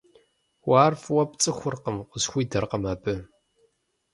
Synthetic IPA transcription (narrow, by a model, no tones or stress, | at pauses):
waːrfwɐpt͡sʼɨxʷʊrqəmʷʊzxʷiːdɐrqəmaːbɨ